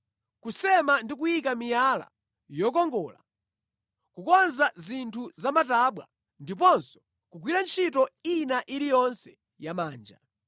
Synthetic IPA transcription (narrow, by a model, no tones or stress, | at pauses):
kusɛmandik̬ujik̬amijala̰ | jɔk̬ɔŋɡɔːla̰ | kukɔnzazintʰuzamataɓwa̰ | ndip̬ɔnsɔ̥ | kuk̬wiɾant͡ʃʰitɔinaʔilijɔnsɛ | jamaːnd͡ʒa̰